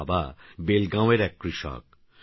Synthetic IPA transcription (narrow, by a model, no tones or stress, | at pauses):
babelɡãweɾɛkːɾiʃɔ̰k̚